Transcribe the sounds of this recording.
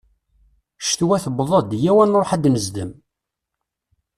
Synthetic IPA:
ʃt̪wæθəbðˤɑd̪jæwænɾˤoħæd̪nəzd̪əm

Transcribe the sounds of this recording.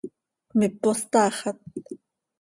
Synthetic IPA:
mɪpost̪aːχat̪̚

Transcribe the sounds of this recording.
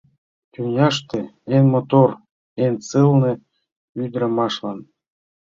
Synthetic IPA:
kʲynʲɑʃt̪ĕenmot̪or | ent͡sɨlnĕ | yd̪ɾə̆mɑʃlɑn

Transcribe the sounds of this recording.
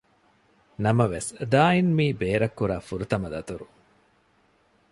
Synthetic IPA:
nɐmɐʋesd̪aːinmiːbeːɾɐkːuɾaːfuɾut̪ɐmɐd̪ɐt̪uɾu

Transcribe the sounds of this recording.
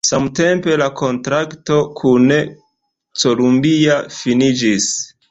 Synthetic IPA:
samte̞mpe̞lako̞ntɾakto̞kʰun | t͡so̞lumbiafinid͡ʒis

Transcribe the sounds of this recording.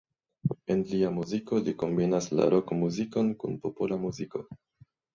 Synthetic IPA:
e̞nliamuziko̞liko̞mbinasla̰ɾʔo̞kmuziko̞nkunpo̞polamuziko̞

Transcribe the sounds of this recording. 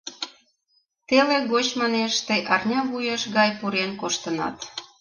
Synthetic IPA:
t̪eleɣot͡ɕmɑneʃt̪eʔɑrnʲɑβujəʃɣɑjpuɾenkoʃt̪ənɑ̰t̪

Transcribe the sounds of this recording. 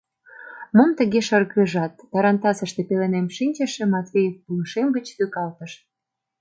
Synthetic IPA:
momt̪əɣeʃərɣəʒɑt̪ːɑɾɑnt̪ɑsəʃt̪epelenemʃinʲt͡ɕə̆ʃĕmɑt̪vʲejefpuəʃemɡət͡ɕt̪ykɑlt̪əʃ

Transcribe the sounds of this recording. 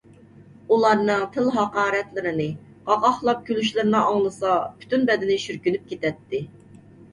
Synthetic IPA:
ulˠɑɾnɨŋt̪ʰɪlˠɦɑqɑːɾɛt̪lɪɾɪnɪ | qɑʁɑχlˠɑp̚kʲylyʃlɪɾɪnɑʔɑŋlˠɨsɑpʰy̥t̪ʰynbɛd̪ɪnɪʃyɾkʲynyp̚kʲʰet̪ɛt̪ːɪ

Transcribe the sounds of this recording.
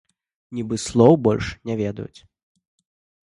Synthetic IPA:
nʲibɨslˠɔwbɔlʲʂnʲɛvʲɛd̪ɐ̰jṵt͡sʲ

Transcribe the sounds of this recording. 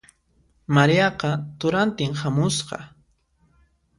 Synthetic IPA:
maɾijɑqɑt̪ʊɾant̪ɪŋhamʊsqɑ̰

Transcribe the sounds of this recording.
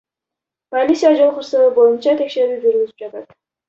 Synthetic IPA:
komʲisijad͡ʒolˠχʊɾsɨbojɪnt͡ʃat̪ʰekʲʃeɾid͡ʒʊɾɡʲyzɪp̚d͡ʒɑt̪ʰad̪ɪ̥

